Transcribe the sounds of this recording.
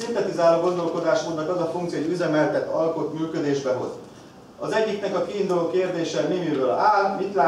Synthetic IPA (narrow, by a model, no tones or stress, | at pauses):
int̪ɛt̪izaːloːɡo̞nd̪o̞lko̞d̪aːʃmoːd̪nɒkɛzɒfuŋkt̪sijoːɟyzɛmɛlt̪ɛt̪ːɒlko̞t̪myːkø̞d̪eːʒbɛɦo̞̰z | ɒzɛɟːiknɛkɒkiːnd̪uloːkeːrd̪eːʃɛneːmiɾøːlaːlmit̪laː